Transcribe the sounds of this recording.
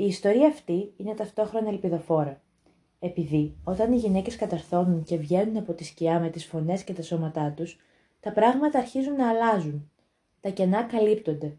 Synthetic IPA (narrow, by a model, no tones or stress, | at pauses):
iːst̪o̞ɾiɐːft̪iine̞t̪ɐft̪o̞xɾo̞nɐelpiðo̞fo̞ɾɐ | e̞piðio̞t̪ɐniʝine̞ce̞skɐt̪ɐɾθo̞nunce̞vʝe̞nunɐpo̞t̪isciɐme̞t̪isfo̞ne̞sce̞t̪ɐso̞mɐt̪ɐt̪us | t̪ɐpɾɐɣmɐt̪ɐːɾçizunːɐːlɐzun | t̪ɐce̞nɐkɐlipt̪o̞nd̪e̞